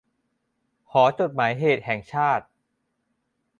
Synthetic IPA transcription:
kʰɔː˩˦t͡ɕo˨˩t̪̚maː˩˦jɦeː˨˩t̪̚hɛ˨˩ŋt͡ɕʰaː˥˩t̪̚

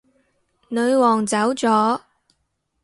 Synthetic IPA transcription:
nɵ˨˧ɥwɔː˨˩ŋt͡sɐ˨˥wt͡sɔː˨˥

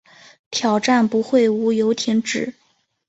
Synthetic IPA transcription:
t̪ʰjɑ˨˩ʊʈ͡ʂa˥˩npu˧˥xwe˥˩ɪu˧˥jo˧˥ʊt̪ʰi˧˥nʈ͡ʂɻ̩˨˩˦

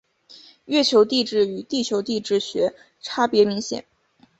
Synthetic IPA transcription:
ɥɛ˥˩t͡ɕʰjo˧˥ʊt̪i˥˧ʈ͡ʂɻ̩˥˩y˨˩t̪i˥˩t͡ɕʰjo˧˥ʊt̪i˥˧ʈ͡ʂɻ̩˥˩ɕɥɛ˧˥ | ʈ͡ʂʰa˥pjɛ˧˥mi˧˥ŋɕjɛ̰˨˩˦n

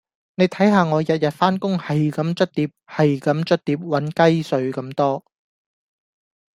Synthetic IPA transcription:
ne˨˧jt̪ʰɐ˨˥jɦaː˧ŋɔː˨˧jɐ˨t̚jɐ˨t̚faː˥nkʊ˥ŋhɐ˨jkɐ˨˥mt͡ʃɵ˥t̚t̪iː˨˧p̚hɐ˨jkɐ˨˥mt͡ʃɵ˥t̚t̪iː˨˥p̚wɐ˨˥nkɐ˥jsɵ˨˧ɥkɐ˨˥mt̪ɔː˥

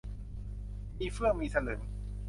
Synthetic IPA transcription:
ʔiː˧˩fɯ˥˩əŋmiː˧sa˧nɤː˩˦

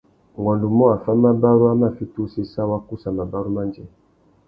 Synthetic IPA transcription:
ŋɡɔ˨ndu˨mɔ˦a˨fa˦ma˦ba˦ɾu˦a˦ma˦˨fi˦tu˦si˦sa˦wa˦ku˦sa˨ma˨ba˦ɾu˦ma˦nd͡ʒɛ˨

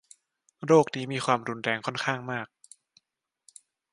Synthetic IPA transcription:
ɾoː˥˩k̚niː˦˥miː˧kʰwaː˧mɾu˧nɾɛː˧ŋkʰɔ˥˩nkʰaː˥˩ŋmaː˥˩k̚

